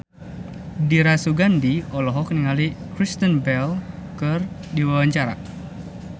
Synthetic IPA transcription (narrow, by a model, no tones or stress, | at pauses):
diɾasuɡandiɔlɔɦɔkniŋalikɾist̪ənbɛlkɨrdiwawaɲt͡ʃaɾa̰